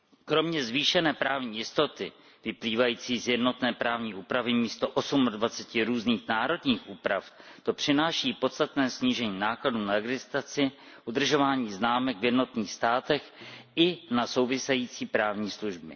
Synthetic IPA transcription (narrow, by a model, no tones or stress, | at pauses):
kɾo̞mɲɛzviːʃɛnɛːpɾaːvɲiːjɪst̪o̞t̪ɪ | vɪpliːvajiːt͡siːzjɛdno̞t̪nɛːpɾaːvɲiːʔuːpɾavɪmiːst̪o̞ʔo̞sumadvat͡sɛcɪɾuːzniːxnaːɾo̞dɲiːxʔuːpɾaft̪o̞pr̝̥ɪnaːʃiːpo̞t̪st̪at̪nɛːsɲiːʒɛɲiːnaːkladuːnaɛɡzɪst̪at͡sɪ | ʔud̪r̩ʒo̞vaːɲiːznaːmɛkvjɛdno̞t̪niːxst̪aːt̪ɛxɪnaso̞wvɪsɛjiːt͡siːpɾaːvɲiːsluʒbɪ̰